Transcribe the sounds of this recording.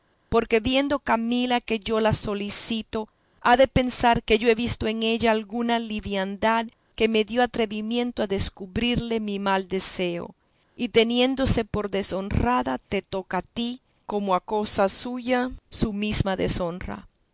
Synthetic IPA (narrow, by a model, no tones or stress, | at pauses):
po̞ɾke̞βje̞nd̪o̞kamilake̞ʝo̞laso̞lisit̪o̞ | aðe̞pe̞nsaɾke̞ʝo̞e̞βist̪o̞e̞ŋe̞ʝaːlɣunaliβjand̪að | ke̞me̞ðjo̞at̪ɾe̞βimjẽ̞nt̪oaðe̞skuβɾiɾle̞mimald̪e̞se̞o̞̰ | it̪e̞nje̞nd̪o̞se̞po̞ɾðe̞so̞nraðat̪e̞t̪o̞kat̪i | ko̞moako̞sasuʝasumismaðe̞̰so̞nra̰